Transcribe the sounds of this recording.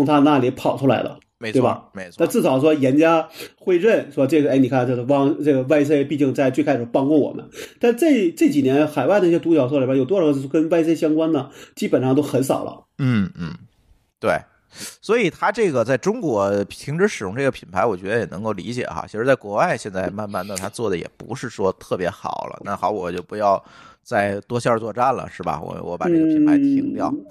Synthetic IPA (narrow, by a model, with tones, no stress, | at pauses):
ʊ˧ŋt̪ʰa˥˧na˥˩li˧˥pʰɑ˨˩ʊʈ͡ʂʰu˥la̰˧˥ɪd̪ə̰˧ | tme˧˥ɪe˥˩bɐ̰˥˧˩me˧˥ɪt͡sʰw̪a˥˧ʈ͡ʂɹ̩˥˩ɑ˨˩ʊʂ̬wɔ˥jɛ˧˥nt͡ɕja˥xwe˥ɪɻə˥˩nʂwɔ˥ʈ͡ʂɤ˥˩ɡə˩˧˥ɪni˨˩kʰa˥˩nʈ͡ʂɤ˥˩ə˧wɑ˥ŋʈ͡ʂɤ˥˩ɡə˩wa˥˧ɪs̬ʰe˥˧ɪpi˥˧t͡ɕi˥˧ŋt͡sa˥˧ɪt͡ɕwe˥˩ɪkʰa˥ʂɻ̩˨˩pɑ˥ŋkwɔ˥˩wɔ̰˨˩mʔə̰˦nt̪a˥˧nʂ̩˥ʈ͡ʂɤ˥˩ʈ͡ʂɤ˥˩t͡ɕi˨˩njɛ˧˥nxa˨˩ɪwa˥˩də˧n˥˩jt̪u˧˥t͡ɕjɑ˨˩ʊswɔ˥˩lba˧˩jo˨˩ʊw̩˥˧˥kə˥nwa˥˧ɪs̬e˥˧ɪɕ̬jɑ˥ŋkwa˥nd̪ə˨t͡ɕi˥pə˨˩nʂɑ˥˧ŋt̪o˥ʊxə˧˥nsɑ̰˨˩ʊlʔə̰˦n̩˥˩n̩˥˩ | t̪we˥˩ɪ | swɔ˧˥i˨˩t̪ʰa˥ʈ͡ʂɤ˥˩ɡə˩t͡sa˥˩ɪʈ͡ʂʊ˥ŋkwɔ˧˥t̪ʰi˧˥ŋʈ͡ʂɻ̩˧˥ʂɻ̩˨˩jʊ˥ŋʈ͡ʂɤ˥˩ɡə˩pʰi˨˩npʰa˧˥ɪwɔ˨˩t͡ɕɥɛ˧˥ə˧jɛ˨˩nɤ˧˥ŋko˥˩ʊlḭ˧˥t͡ɕjɛ̰˨˩xa̰˥t͡ɕʰʂɻ̩˧t͡sa˥˩kwɔ˧˥wa˥˧ɪɕjɛ˥˧nt͡sa˥˩ɪma˥˧nma˥˧na˥˩t̪ʰa˥t͡swɔ˥˩d̪ə˩jɛ̰˨˩pṵ˧˥ʂɻ̩˥˩ʂwɔ˥t̪ʰɤ˥˩pjɛ˧˥xɑ̰˨˩ʊlə̰˦na˥˩xɑ˧˥ʊwɔ̰˨˩t͡ɕjo˥˩ʊpu˧˥jɑ˥˧ʊt͡sa˥˩ɪt̪wɔ˥ɕjɑ˥˧t͡swɔ˥˧ʈ͡ʂa˥˩nlə̰˩ʂɻ̩˥˩bɐ̰˩wɔ̰˧˩wɔ˧˥pa˨˩ʈ͡ʂɤ˥˩ɡəpʰpʰa˧˥ɪt̪ʰi˧˥ŋt̪jɑ˥˩ʊ